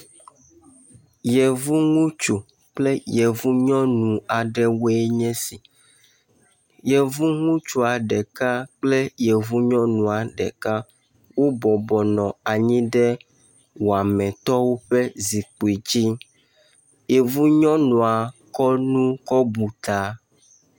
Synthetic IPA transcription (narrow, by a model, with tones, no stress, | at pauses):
je˨vu˦ŋũ˦t͡ʃu˨ | k͡ple˦je˨vu˦ɲɔ̃˦nũ˨a˨ɖɛ˦wo˦e˦ɲɛ̃˦si˨ | je˨vu˦ŋũ˦t͡ʃu˦a˨ɖɛ˨ka˦k͡ple˦je˨vu˦ɲɔ̃˦nũ˨a˨ɖɛ̰˨ka˦ | wo˦bɔ˨bɔ˨nɔ̃˨a˨ɲĩ˦ɖɛ˦ | wo˨a˨mɛ̃˨t̪ɔ˦wo˦ɸɛ˦zi˨k͡po˨i˨d͡ʑi˦ | je˨vu˦ɲɔ̃˦nũ˨a˨kɔ˦nũ˦kɔ˦bu˨t̪a˦